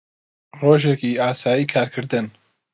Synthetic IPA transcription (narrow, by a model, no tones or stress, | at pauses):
roːʒekiaːsaːjiːkʰaːɾkʰɨɾd̪ɨn